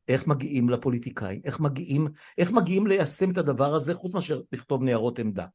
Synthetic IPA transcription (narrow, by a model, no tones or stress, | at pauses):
ʔe̞χmaɡiʔimlapo̞lit̪ikʰa̰imʔe̞χmaɡiʔimʔe̞χmaɡiimlejase̞met̪had̪avaʁaze̞χut͡smeaʃeʁliχt̪o̞vneaʁo̞t̪emd̪a̰